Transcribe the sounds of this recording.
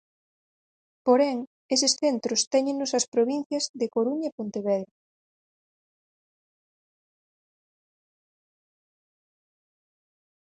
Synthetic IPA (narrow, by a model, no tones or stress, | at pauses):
poɾɛŋ | esɪsθent̪ɾʊst̪ɛɲẽŋnosɐspɾoβin̟θjɐzðekoɾuɲɐepõnt̪eβɛðɾe